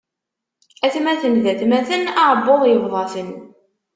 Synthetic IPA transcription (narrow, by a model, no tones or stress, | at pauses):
æθmæθəmðæθmæθənɑʕəbːoʁjəvðˤɑθən